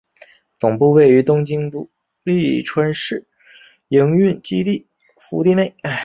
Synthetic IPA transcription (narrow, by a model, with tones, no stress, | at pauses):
t͡sʊ˨˩ŋpu˥˧we˥˩ɪy˧˥t̪ʊ˥ŋt͡ɕi˥ŋt̪u˥ | li˥˩ʈ͡ʂʰwə˧˥nʂɻ̩˥˩ | i˧˥ŋy˥˩nt͡ɕi˥t̪i˥˩ | fu˧˥t̪i˥˧ne˥˩ɪ